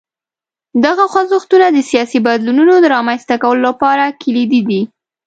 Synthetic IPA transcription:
d̪aɣaxwazʊxt̪unad̪əsijɑsibad̪lununod̪əɾɑmanst̪akawəlolapɑɾakilid̪id̪i

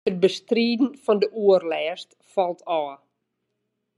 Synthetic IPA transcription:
ət̚bəstriːdn̩fɔndəʔuərlɛːst | fɔlˠtʰɔə

